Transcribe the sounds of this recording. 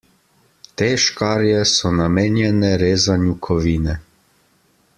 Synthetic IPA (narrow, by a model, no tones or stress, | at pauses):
t̪eːʃkaːɾjɛsɔnameːnjɛnɛɾeːzanjukʰɔʋiːnɛ